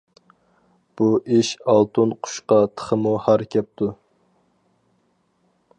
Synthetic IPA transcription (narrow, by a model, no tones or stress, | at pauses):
b̥uʔiʃɑlˠt̪ʰunqʰʊ̥ʃqɑt̪ʰə̥χəmuhæɾkʲʰɛp̚t̪ʰu